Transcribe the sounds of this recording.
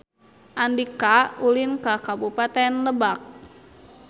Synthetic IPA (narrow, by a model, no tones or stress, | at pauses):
ʔandikaulinkakabupat̪ɛnləbak̚